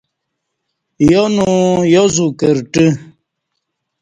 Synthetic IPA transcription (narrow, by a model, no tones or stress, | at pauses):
jonujozukəɾʈi